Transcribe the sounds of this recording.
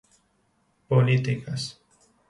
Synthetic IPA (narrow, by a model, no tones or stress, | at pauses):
polit̪ikas